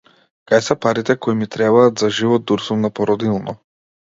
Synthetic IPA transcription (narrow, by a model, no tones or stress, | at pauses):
kajsɛpaɾit̪ɛkɔimit̪ɾɛβaːd̪zaʒivɔd̪̚d̪uɾzɔmnapɔɾɔd̪ilˠnɔ